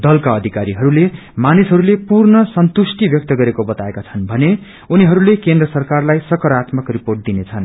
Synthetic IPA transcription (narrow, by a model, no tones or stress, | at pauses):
d̪ʌlkaʌd̪ʱikaɾiɦʌɾule | manisɦʌɾulepurnʌsʌnt̪usʈibjʌk̚t̪ʌɡʌɾekobʌt̪aekat͡sʰʌnbʱʌne | uniɦʌɾulekend̪rʌsʌrkarlajsʌkʌɾat̪mʌkriporʈ̚d̪inet͡sʰʌn